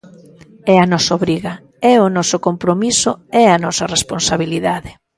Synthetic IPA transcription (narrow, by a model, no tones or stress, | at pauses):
ɛɐnɔsoβɾiɣɐ | ɛʊnɔsʊkompɾomisʊɛɐnɔsɐresponsaβiliðaðɪ